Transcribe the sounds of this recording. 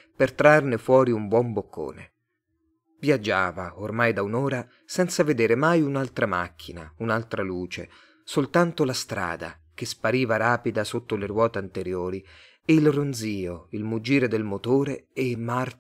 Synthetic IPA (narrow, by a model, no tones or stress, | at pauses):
pert̪ɾarnefwɔːɾiumbwɔmbokʰːo̰ːnḛ | vjad͡ʒːaːvaormajd̪aunoːɾa | sɛnt̪saved̪eːɾemajunalt̪ɾama̰kʰːina̰unalt̪ɾaluːt͡ʃḛ | solt̪ant̪olast̪ɾa̰ːd̪a̰ | k̟espaɾiːvaɾaːpid̪asot̪ːolerwɔːt̪eant̪eɾjoːɾi | eilrond̪ziːoilmud͡ʒiːɾed̪elmot̪oːɾeemar